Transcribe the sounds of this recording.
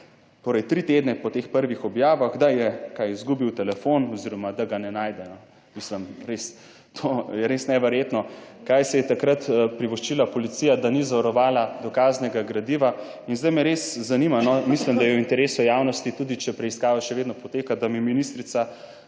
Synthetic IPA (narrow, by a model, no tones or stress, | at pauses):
t̪oːɾɛjt̪ɾit̪eːd̪nɛpɔt̪eːxpəɾʋixɔbjaːʋaɣd̪ajɛkajizɡubiwt̪ɛlɛfonɔziɾɔmad̪aɡanɛnaːjd̪ɛnɔ | misləmɾes | t̪ʰojɛɾesnɛʋɛɾjet̪nɔkajsɛjɛt̪akɾat̪pɾiʋɔʃt͡ʃilapɔlit̪sijad̪anizaʋaɾɔʋaːlad̪ɔkaːznɛɡaɡɾɐd̪iʋa | inzd̪ajmɛɾeszanimanɔmislimd̪ajɛwint̪ɛɾeːsɔjawnɔst̪it̪ud̪it͡ʃɛpɾɛiskaːʋaʃɛʋeːd̪nɔpɔt̪eːkad̪amiminist̪ɾit̪sa